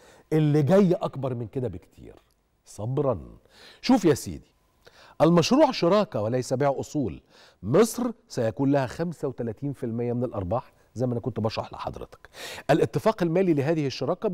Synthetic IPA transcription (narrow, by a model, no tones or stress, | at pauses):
ʔɪlːiɡæjːʔɑkbɑɾˤmɪnked̪æbɪkt̪ʰḭːɾ | sˤɑbɾˤɑn | ʃuːfjæsḭːd̪i̥ | ʔælmæʃɾuːʕʃɑɾˤɑːkɑwælæjsæbiːʕʔosˤuːl | mesˤɾsæjækuːnlæhæxæmsæwet̪ælæːt̪iːnfɪlmɪjːæmɪnælʔɑ̰ɾˤbɑːħ | zæjmæænækont̪bɑʃɾˤɑ̰ħlḛħɑ̰d̪ˤɾɪ̰t̪ɑ̥kʔælʔɪt̪ːɪfæːqælmæːlilɪɦæːðɪhɪʃːɑɾˤɑːkæ